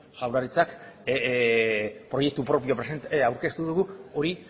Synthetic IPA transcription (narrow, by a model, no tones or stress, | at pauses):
ʝawɾaɾit͡sak | pɾo̞je̞k̚t̪upɾo̞pio̞pɾesent̪awɾke̞st̪uðuɣuo̞ɾi